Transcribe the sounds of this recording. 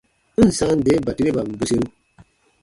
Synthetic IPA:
n̩˨sa˦n̩˦de˨˦ba˨ti˦ɾe˦ba˨m̩˨bu˦se˦ɾu˦

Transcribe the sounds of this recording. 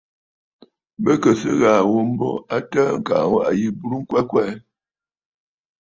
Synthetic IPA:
bə˦kə˨sə˦ɣa˨wo˦m̩˦bɔ̰˦a˦tə˦ŋ̩˨ka̰˨wo˦ʔa˨ji˦bu˦ɾu˦ŋ̩˦kwɛ˦kwɛ˦˨˦

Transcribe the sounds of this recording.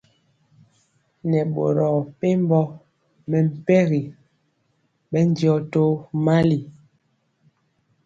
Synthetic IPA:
nɛ˨ɓo˨ɾɔ˨pe˦m˦bɔ˦ | mɛ˨m̩˨pɛ˦ɣi˨ | ɓɛ˦n˦djɔ˦to˦ma˦li˨

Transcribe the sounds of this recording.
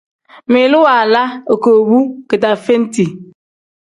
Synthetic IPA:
mi˨lu˦wa˨la˦o˨ko˨bu˦ke˨ta˨fe˦n̩˦ti˨

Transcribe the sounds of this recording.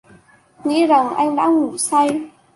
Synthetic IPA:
ŋḭ˧˥za˨˩ŋʔa˧jŋ̟ɗa̰ː˧˥ŋu˨˩sa˧j

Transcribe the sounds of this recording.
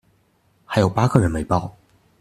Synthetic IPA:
xa˧˥ɪjo˨˩ʊpa˥kʰɤ˥˩ɻə˧˥nme˧˥ɪpɑ˥˩ʊ

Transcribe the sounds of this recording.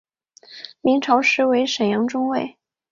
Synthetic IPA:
mi˧˥ŋʈ͡ʂʰɑ˧˥ʊʂɻ̩˧˥we˧˥ɪʂə˨˩jɑ˧˥ŋʈ͡ʂʊ˥ŋwe˥˩ɪ

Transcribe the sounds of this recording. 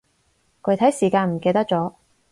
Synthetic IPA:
kʰɵ˨˧˥jt̪ʰɐ˨˥jsiː˨˩kaː˧nm̩˨˩ke˧jt̪ɐ˥k̚t͡sɔː˨˥

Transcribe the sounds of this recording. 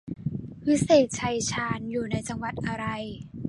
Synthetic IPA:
pʰi˦˥seː˨˩t̪̚t͡ɕʰa˧jt͡ɕʰaː˧njuː˨˩na˧˥jt͡ɕa˧ŋwa˨˩t̪̚ʔa˧ɾa˧j

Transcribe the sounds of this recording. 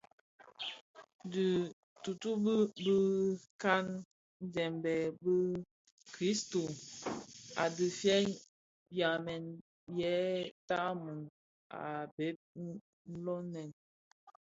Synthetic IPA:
dɨ˨ | tu˨tu˦bə˦bə˦ka˦n˦ | d͡ʒɛ˨mbɛ˨bə˦ | kɾi˦sto˨ | a̰˨dɨ˨fjɛ˦ | bja˨mɛ˨n | jɛ˨˦ta˦mu˨n | a̰˨be˦p̚ | n̩˦lɔ˦nɛ˨n

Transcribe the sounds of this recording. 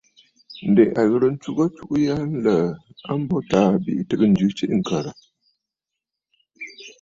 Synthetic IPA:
n̩˨de˨ʔa˨ɣə˦ɾə˦n̩˦t͡ʃu˦ɡə˦t͡ʃu˦ʔu˦ja˦n̩˦lə˨a˦m˦bɔ˦taː˨˦bḭ˨ʔtɨ˦kə˦n̩˨d͡ʒʉ˦t͡ʃi˦ʔŋ̩˨kə˨ɾə˨

